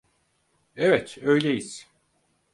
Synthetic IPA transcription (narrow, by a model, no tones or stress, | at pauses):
evɛt̪ʰø̞jlʲejiz̥